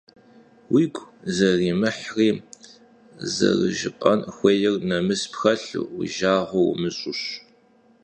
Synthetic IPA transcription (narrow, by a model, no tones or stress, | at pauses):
wiːɡʷzɐriːmɨħriː | zɐ̰rɨ̰ʒɪqʼɐnxʷejɪrnɐmɨspxɐɬʊʒaːʁʷɔw̰mɨɕʼʊɕ